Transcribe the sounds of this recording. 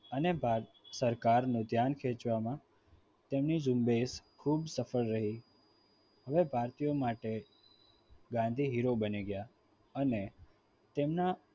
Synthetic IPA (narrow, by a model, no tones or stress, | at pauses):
ənebʱasəɾkaɾnũd̪ʱjankʰet͡ʃʋamã | t̪emnid͡ʒumbeskʰubsəfəɭːəɦi | ɦəʋebʱaɾt̪ijomaʈe | ɡãnd̪ʱiɦiɾobəniɡəja | əne | t̪emna